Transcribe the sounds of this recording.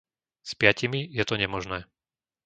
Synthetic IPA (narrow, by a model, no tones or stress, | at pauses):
spɪacimijɛt̪ɔɲɛmɔʒnɛː